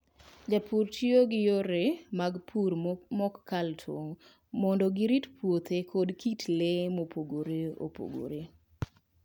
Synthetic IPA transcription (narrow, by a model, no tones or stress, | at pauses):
d͡ʒapʰurtioɡɪjoɾemaɡpʰuɾmɔkːaltʰo̰ | mɔndɔɡɪɾitpwot̪ekʰɔdkitlemopoɡoɾeo̰po̰ɡo̰ɾe